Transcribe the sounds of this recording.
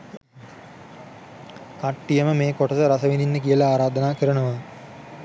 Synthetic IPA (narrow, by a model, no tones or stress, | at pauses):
kɐʈːijɐməmeːkoʈɐt̪əɾɐsɐʋininːəkijəlɐaːɾaːd̪ɐnaːkəɾɐɳuʋɐ